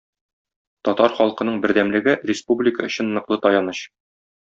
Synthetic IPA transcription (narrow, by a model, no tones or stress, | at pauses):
t̪ɒt̪ɑɾχɒlˠqɤ̆nɤɴbɘ̆ɾd̪æmlɘ̆ɡɘrʲɪspublʲɪkəɵ̆ɕɘnːɤ̆qlˠɤt̪ɒjɑnɤɕ